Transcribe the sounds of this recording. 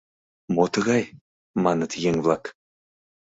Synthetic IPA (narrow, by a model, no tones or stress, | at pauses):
mot̪ə̆ɣɑj | mɑnɤt̪jeŋvlˠɑk